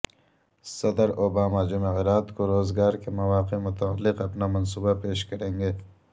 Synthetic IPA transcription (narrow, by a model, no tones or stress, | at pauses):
sɐd̪əɾoːbaːmad͡ʒʊmeɣɪɾaːt̪koɾoːzɡaːɾkemɐwaːqemʊt̪aalːɪqɐpnamɐnsuːbapeːʃkɐɾẽːŋɡeː